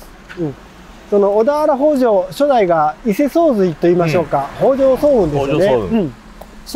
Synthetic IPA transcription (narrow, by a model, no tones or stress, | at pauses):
ɯ̟̃ɴ | so̞no̞ːd̪aβaɾaɦo̞ːʑo̞ːɕo̞d̪aiɡaise̞so̞ːzɨit̪o̞iːmaɕo̞ːkaho̞ːʑo̞ːsoːbɯ̟̃nd̪esɨjoneɯ̟̃ɴ